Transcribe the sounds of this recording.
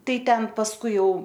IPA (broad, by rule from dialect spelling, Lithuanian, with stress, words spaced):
ˈtɐɪ ˈtʲɛn pɐsˈkʊɪ jɛʊ